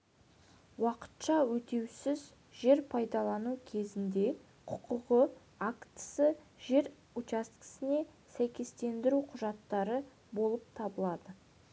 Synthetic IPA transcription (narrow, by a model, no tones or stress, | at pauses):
wɑqə̥t̪ʃɑwɵt̪e̞wsɪz | ʒe̞ɾpʰɑjd̪ɑlˠɑnukʲʰe̞zɪnd̪e̞ | qʰʊqʊʁə | akt̪ə̥sə | ʒe̞ɾ | ut͡ʃast̪kɪ̥sɪne̞ | sæjkʲe̞st̪e̞nd̪ɪɾuqʰʊʒɑt̪ːɑɾə | bo̞lˠəp̚t̪ʰɑbəlˠɑd̪ə